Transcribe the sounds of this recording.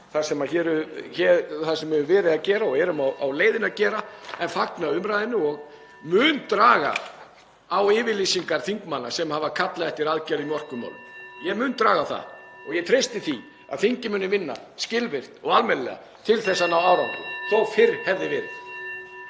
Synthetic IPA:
θasɛmaçɛːɾʏçɛːɾθasɛmːʏːnvɛːɾɪðaðcɛːɾaɔhɛːɾʏmawawleːjðɪnaðcɛːɾaɛnfaknaʏmɾajðɪnːʏɔɣ | mʏːnt̪ɾaːɣa̰ | awɪːvɪlisiŋkaɾ̥θiŋkmanːasɛmhavakʰat̪laðɛht̪ɪɾaðcaɾimɔr̥kʏma̰wlʏ̰mjɛmʏnt̪ɾaːɣaθa̰ | ɔɣjɛt̪ʰɾejst̪ɪθi | a̰ðθiɲcɪmʏːnɪvɪnːa̰ | scɪlvɪr̥t̪ɔɣalmɛllɛ̰ɣa̰ | t̪ʰɪlθɛsːanawawɾaŋkʏθɔwfɪɾhɛvðɪvɪːɾɪ̰ð̥

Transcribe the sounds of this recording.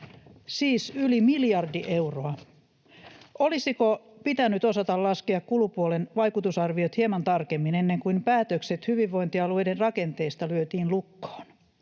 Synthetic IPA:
siːsylimiljɑrdiʔe̞uwroɑ | ʔolisikopit̪ænyt̪o̞sɑt̪ɑllɑskeɑkkulupuolenʋɑjkut̪usɑrʋiot̪hiemɑnt̪ɑrkemːinenːe̞ŋkumpæːt̪økse̞t̪hyʋiʋːo̞jnt̪iɑlue̞jderrɑke̞nt̪e̞ːst̪ɑlyøt̪iːnlukːo̥ːn

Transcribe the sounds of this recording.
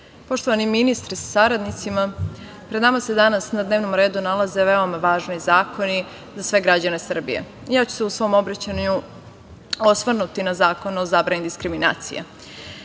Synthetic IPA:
po̞ʃt̪oʋaniminist̪ɾisḁsaɾad̪nit̪sima | pɾed̪namase̞d̪anasnad̪neʋno̞mɾe̞ːd̪unalˠaze̞ʋe̞omaʋaːʒnizaːko̞ni | zasʋe̞ɡɾad͡ʑane̞sr̩bḭjḛ | jaːt͡ɕu̥seusʋo̞mo̞bɾat͡ɕaɲu | osʋrnut̪inazaːko̞nuozabɾaɲid̪iskɾimina̰ːt̪sḭjḛ

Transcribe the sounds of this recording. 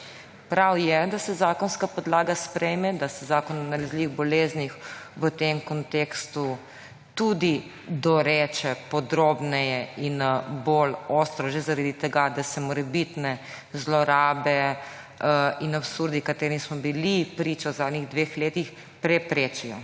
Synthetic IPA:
pɾawjɛd̪asɛzaːkɔnskapɔd̪laːɡaspɾɛjmɛd̪asɛzaːkɔnɔnalazliʋiɣbɔleːznixʋət̪emkɔnt̪ekst̪u | t̪ud̪i | d̪ɔɾeːt͡ʃɛpɔd̪ɾoːbnɛjɛinbolost̪ɾɔʒɛzaɾaːd̪it̪ɛɡad̪asɛmɔɾɛbit̪nɛ | zlɔɾaːbɛ | inapsuɾd̪ikat̪eːɾinismɔbilipɾiːt͡ʃawzaːd̪niɣd̪ʋeːxleːt̪ix | pɾɛpɾeːt͡ʃijɔ

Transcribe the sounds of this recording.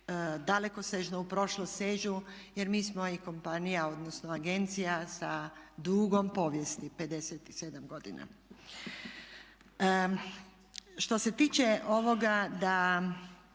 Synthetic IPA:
d̪alekoseʒnoupɾo̞ʃlost̪ʲseʒuje̞ɾmiːsmo̞iko̞mpanijao̞d̪nosnoaɡe̞nt̪sijasad̪uːɡo̞mpo̞ʋje̞st̪ipe̞d̪e̞set̪ise̞d̪amɡo̞d̪ḭna̰ | ʃt̪o̞se̞t̪iːt͡ʃeʔo̞ʋo̞ɡad̪a

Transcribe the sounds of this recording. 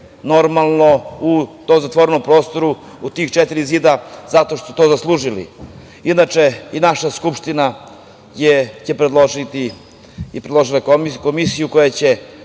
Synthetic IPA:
no̞ɾmalˠno̞ut̪oːmzat̪ʋoɾeno̞mpɾo̞ːst̪o̞ɾu | ut̪iːxt͡ʃet̪iɾiziːd̪az̥at̪oʃt̪osu̥t̪o̞zaslˠuːʒilḭ | inat͡ʂe̞inaʃaskupʃt̪ina | jet͡ɕe̞pɾed̪lˠoʒit̪i | ipɾed̪lo̞ʒilako̞misijukojat͡ɕe̞

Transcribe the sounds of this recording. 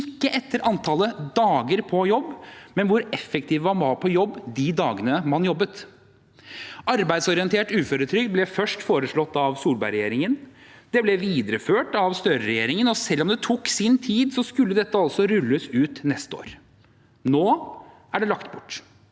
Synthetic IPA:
ɪkːəʔɛt̪ːəɾʔɑnt̪ʰɑːləd̪ɑːɡəɾpʰɔjɔbːmɛnʋʊɾɛfːɛk̚t̪ʰiːʋʋɑɾmɑpʰɔjɔbːd̪ɪd̪ɑːɡənəmɑnjɔbːət̪ | ɑɾbæɪd̪sɔɾɪənt̪ʰeːʈʉːføːɾət̪ʰɾʏk̪̚blɛfœʂʈfoːɾəʂɭɔt̪ːɑʋsuːlbæɪɾɛjeːɾɪŋən | d̪̥ɛblɛʋiːd̪ɾəføːʈɑʋst̪œɾəɾɛjeːɾɪŋənɔsɛlːɔmd̪ɛt̪ʰuksɪnt̪ʰiːd̪sɔskʉlːəd̪ɛt̪ːəɑlsɔɾʉlːəsʉːt̪nɛst̪o̰ːɾ | noː | ʔæɖɛlɑkt̪bʊʈː

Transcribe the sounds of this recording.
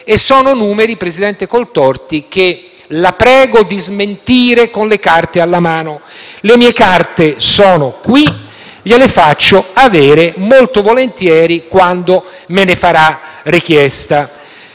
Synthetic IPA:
esːɔːnonuːmeɾipɾezid̪ɛnt̪ekolt̪ɔrt̪ik̟e | lapɾɛːɡod̪izment̪iːɾekonlekart̪ealːamaːnolemiːekart̪esɔːnokwi | ʎelefat͡ʃːoavɛːɾemolt̪ovolent̪jɛːɾikwand̪o | menefaɾarikjɛst̪a

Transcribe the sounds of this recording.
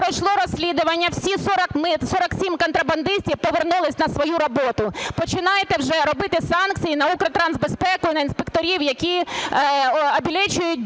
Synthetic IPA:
pɾɔjʃlˠɔɾɔsʲlʲid̪ʊʋɐnʲːɐwsʲisɔɾɐkmɪsɔɾɐksʲimkɔnt̪ɾɐbɐnd̪ɪsʲtʲiwpɔʋernulˠɪsʲnɐsʋɔjuɾɔbɔt̪ʊpɔt͡ʃɪnɑjet̪ɛwʒɛɾɔbɪt̪ɪsɑnkt͡sʲsʲijinɐukɾɐt̪ɾɑnzbespɛkʊjinɐinspekt̪ɔɾʲiwjɐkʲi | ɔbʲilʲɛt͡ʃʊjʊt̚ʲ

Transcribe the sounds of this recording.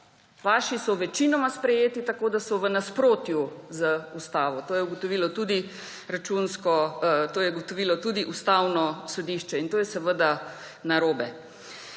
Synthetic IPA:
ʋaːʃisɔʋɛt͡ʃinɔmaspɾɛjeːt̪it̪akoːd̪asɔʋənaspɾoːt̪juzəust̪aːʋɔt̪oːjɛuɡɔt̪ɔʋiːlɔt̪ud̪i | ɾat͡ʃunskɔt̪oːjɛɡɔt̪ɔʋiːlɔt̪uːd̪iʔust̪awnɔsɔd̪iːʃt͡ʃɛint̪oːjɛsɛʋəd̪a | naɾoːbɛ

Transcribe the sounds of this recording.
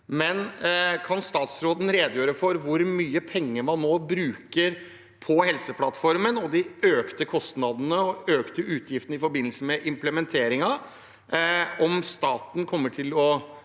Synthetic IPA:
mɛnkʰɑnst̪ɑːt̪sɾoːd̪n̩ɾeːd̪jøːɾəfɔɾʋʊɾmyːəpʰɛŋːəmɑnːoːbɾʉːkəɾ | pʰɔhɛlsəpʰlɑt̪fɔɾmənɔd̪ɪøːkt̪əkʰɔst̪nɑd̪nəɔøːkt̪əʔʉːt̪ʰjɪft̪ən̩əɪfɔɾbɪnl̩səmɛʔɪmpləmɛnt̪ʰeːɾɪŋɑ | ɔmst̪ɑːt̪n̩kʰɔmːəʈʰɪlɔ

